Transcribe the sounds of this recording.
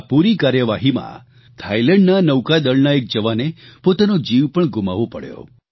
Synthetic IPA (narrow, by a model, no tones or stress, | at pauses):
puɾikaɾjəʋaɦimã̰ | t̪ʰajlɛ̃ɳɖnanəwkad̪əɭnaek̚d͡ʒəʋanepot̪anod͡ʒiʋpəɳɡuma̰ʋopəɽjo̰